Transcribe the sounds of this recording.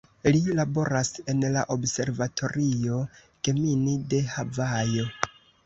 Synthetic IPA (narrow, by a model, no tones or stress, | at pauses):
lilabo̞ɾase̞nlaʔobse̞ɾvatʰo̞ɾio̞ | ke̞minide̞havajo̞